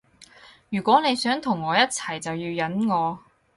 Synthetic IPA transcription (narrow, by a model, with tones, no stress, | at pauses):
jyː˨˩kʷɔː˨˥ne˨˧jsœː˨˥ŋt̪ʰʊ˨˩ŋːɔː˨˧jɐ˥t̚t͡sʰɐ˨˩jt͡sɐ˨wjiː˧wjɐ˨˥nŋɔː˨˧